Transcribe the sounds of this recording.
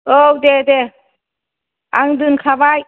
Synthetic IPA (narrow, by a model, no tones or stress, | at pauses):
owd̪ed̪e | aŋd̪ɯnkʰabaj